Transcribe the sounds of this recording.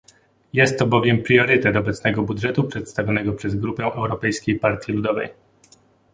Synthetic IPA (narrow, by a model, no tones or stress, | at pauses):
jɛst̪ːɔbɔvʲjɛmpɾʲɔɾɘt̪ɛt̪ɔbɛt̪snɛɡɔbud̪ʐɛt̪upʂɛt̪st̪avʲjɔnɛɡɔpʂɛzɡɾupɛʔɛwɾɔpɛjskʲejpaɾt̪ʲjilud̪ɔvɛ̰j